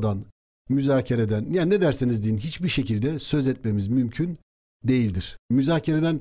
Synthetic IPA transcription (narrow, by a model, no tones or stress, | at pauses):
d̪an | myzaːcʰeɾed̪ænjanːed̪æɾsinizd̪inɦit͡ʃbiɾʃecilʲd̪ɛsø̞zɛt̪̚me̞mizmymcʰyn | d̪e̞jilʲd̪iɾ̥myzaːcʰeɾed̪æn